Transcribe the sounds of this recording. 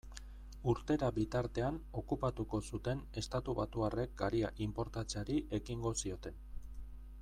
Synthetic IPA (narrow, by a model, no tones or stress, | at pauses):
uɾt̪e̞ɾaβit̪aɾt̪e̞ano̞kupat̪uko̞sut̪e̞ne̞st̪at̪uβat̪uare̞k̚ɡaɾiaʔimpo̞ɾt̪at͡seaɾiʔe̞kiŋɡo̞sio̞t̪e̞n